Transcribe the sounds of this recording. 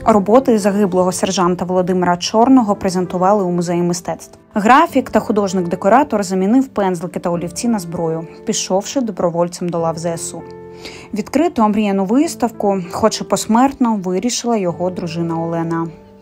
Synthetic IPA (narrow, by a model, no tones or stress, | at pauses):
ɾɔbɔt̪ɪzɐɦɪblˠɔɦɔserʒɑnt̪ɐʋɔlˠɔd̪ɪmɪɾɐt͡ʃɔrnɔɦɔpɾezʲent̪ʊʋɑlˠɪumʊzɛjʊmɪst̪ɛt̪st̪ʋɐɣɾɑfʲikt̪ɐxʊd̪ɔʒnɪɡd̪ekɔɾɑt̪ɔrzɐmʲinɪwpɛnzlˠɪkɪt̪ɐɔlʲiwt͡sʲinɐzbɾɔjʊpʲiʃɔwʃɪd̪ɔbɾɔʋɔlʲɛmd̪ɔlˠɑwzɛɛsu | ʋʲid̪kɾɪt̪ʊɐmɾʲijɛnʊʋɪst̪ɐwkʊxɔt͡ʃɪpɔsmɛrt̪nɔʋɪɾʲiʃɪlˠɐjɔɦɔd̪ɾʊʒɪnɐɔlˠɛnɐ